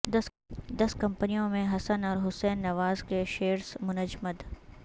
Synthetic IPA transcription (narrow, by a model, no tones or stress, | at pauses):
d̪ɐskɐ̃mpənijõmẽɦɐsənɔːɾɦʊsɛːnːɐʋaːzkeʃeːɾsmʊnəd͡ʒməd̪